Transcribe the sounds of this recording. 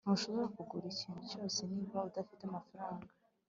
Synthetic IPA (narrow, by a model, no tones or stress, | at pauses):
nhuʃo̞βo̞ɾakuɡuɾiciːnhut͡ʃo̞ːse̞niːβaudafitamafaɾaːŋɡa